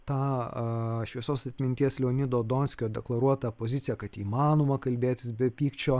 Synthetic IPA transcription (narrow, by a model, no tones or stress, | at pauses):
t̪ɑː | ʃʲʋʲiɛsoːsɐt̪ʲmʲɪnʲt̪ʲiɛslʲɛonʲɪd̪oːd̪oːnʲsʲkʲoːd̪ʲɛklˠɐɾuɔt̪ɐpoːzʲɪt̪sʲɪjɛkɐt̪iːmɑːnoːmɐkɐlʲbʲeːt̪ʲɪsbʲɛpʲiːkt͡ʃʲoː